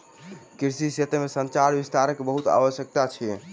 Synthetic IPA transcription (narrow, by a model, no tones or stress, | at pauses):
kiɾsiset̪emesənt͡ʃaɾbist̪aɾəkːebəɦut̪a̰ʋəʃjək̚t̪at͡ʃʰi